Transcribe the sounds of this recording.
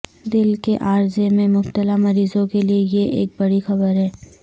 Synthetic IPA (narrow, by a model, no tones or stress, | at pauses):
d̪ɪlkeʔaːɾzemẽmʊbt̪əlamɐɾiːzõkeliejeʔeːk̚bɐɽixɐbəɾɦɛː